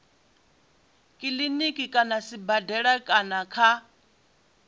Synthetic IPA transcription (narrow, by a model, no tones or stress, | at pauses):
kʼilinikʼikʼanasibadɛɺakʼanakʰa